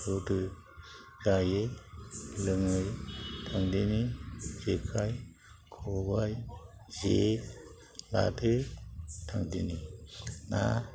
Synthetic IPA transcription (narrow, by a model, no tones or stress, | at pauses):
sotɯ | zaje | lɯŋɯjtʰaŋdinizekʰaj | kʰɔbajze | la̰tʰɯ | tʰaŋdinina̰